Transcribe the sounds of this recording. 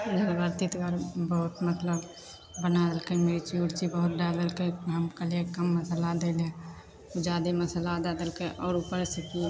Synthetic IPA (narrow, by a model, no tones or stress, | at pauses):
d͡ʒʱəɾbəɾt̪it̪ɡəɾbəɦut̪mət̪ləb | bənad̪əlkemeɾit͡ʃiuɽt͡ʃibəɦʊt̪ɖad̪əlkeɦəmkəlekəmːəsəlad̪elẽ | ud͡ʒaːd̪eməsəlad̪ad̪əlkeʔɔːɾupəɾsiki